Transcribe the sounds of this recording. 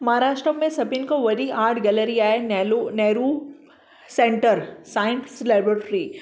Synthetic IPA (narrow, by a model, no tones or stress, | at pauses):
mɐɦaɾaːʃʈɾõmẽsɐpinkoʋɐɾiʔaːʈʰɡɐləɾiaːenlneːɾu | sẽɳʈəɾsaːɪnslɛːbɾəʈɾi